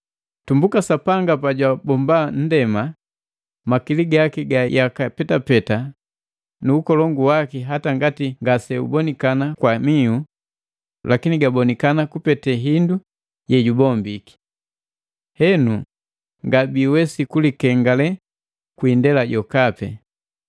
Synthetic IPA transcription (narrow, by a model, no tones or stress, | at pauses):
tumbukasapaŋɡapaɟwabɔmban̩dɛma | makiliɡakiɡajakapɛtapɛta | nuːkɔlɔŋɡuwakiɦataŋɡatiŋɡasɛṵbɔnikanakwamiu | lʔakiniɡabɔnikanakupɛtɛɦindu | jɛɟubɔmbiki̥ | hɛnu | ŋɡabiwɛsikulikɛŋɡalɛ | kwindɛlaɟɔkapɛ̰